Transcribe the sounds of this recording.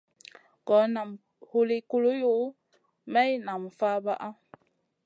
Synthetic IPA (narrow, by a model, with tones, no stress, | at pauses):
ɡɔ˨˦na˨m | ho˨li˨ku˨lo˦jo˦ | mɛ˦jna˨mfa˦ba˦ʔa˦